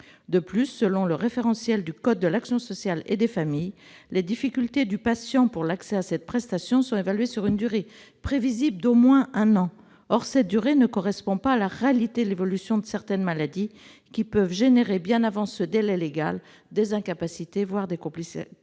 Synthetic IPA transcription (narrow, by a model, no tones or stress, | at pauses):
d̪əplysːəlɔ̃ləʁefeʁɑ̃sjɛld̪ykɔd̪̚ːəlaksjɔ̃sɔsjalḛd̪efamijled̪ifikʲylt̪ed̪ypasjɑ̃puʁlaksɛasɛt̪̚pχɛst̪asjɔ̃sɔ̃evalɥesyʁynd̪yʁe | pχevizibləd̪omwɛ̃ʔɛ̃nɑ̃ | ɔʁsɛt̪̚d̪yʁenəkɔʁɛspɔ̃paːlaʁealit̪ed̪levɔlysjɔ̃d̪əsɛʁt̪ɛnmalad̪i | kʲipœvʒeneʁebjɛ̃navɑ̃səd̪elɛleɡa̰l | d̪ezɛ̃kapasit̪evwaʁd̪ekɔ̃plis